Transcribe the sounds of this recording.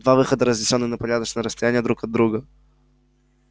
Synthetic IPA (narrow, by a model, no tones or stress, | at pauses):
d̪vavɨxəd̪əɾəzʲdʲɪsʲonːɨnəpɐɾʲad̪ət͡ʃnəjəɾəst̪ɐjænʲɪjəd̪ɾukɐd̪ːɾuɡə